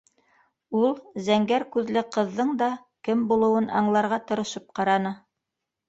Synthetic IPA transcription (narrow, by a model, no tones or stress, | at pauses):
ulˠzæŋɡæɾkʉðlɘqɤ̆ðːɤɴd̪ɑ | kɘmbulˠɤ̆wɤnɑ̰ɴlˠɑɾʁɑt̪ɤ̆ɾɤ̆ʃɤp̚qɑɾɑnɤ